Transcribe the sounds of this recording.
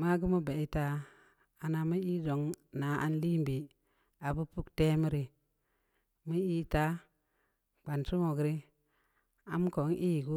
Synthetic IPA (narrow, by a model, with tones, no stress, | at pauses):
ma˦ɡu˦mu˦ba˨i˦ta˦ | a˨na˨mə˦i˦zo˨ŋna˨˦ʔa̰˦nli˦mbi˨ | a˨bu˦pu˦kte˦mi˦ɾi˨ | mə˦i˦ta˦ | k͡pa˨nsu˦ŋo˨ɡɾi˦ | a˨m˦ko˨˦ŋʔi˦˨ɡu˦